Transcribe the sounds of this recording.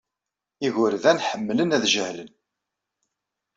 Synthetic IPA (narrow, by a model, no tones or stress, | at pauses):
iʝʊɾðænħəmːlənæðʒəhlən